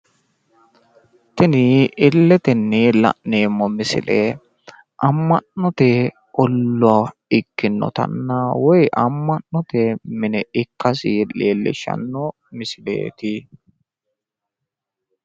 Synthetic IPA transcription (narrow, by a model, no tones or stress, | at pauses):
t̪ɛnɪɪlːɛt̪ɛnːilɐ̰ʔneːmːɔmɪsɪ̰leː | ʔɐmːɐʔnɔt̪eː | ʔɔlːʊaɪkːɪnːɔ̰t̪ɐ̰nːawɔjʔɐmːɐnnɔt̪emɪnɛʔɪkːɐsɪleːlːɪ̰ʃɐ̰nːɔ | mɪsɪlḛːt̪ɪ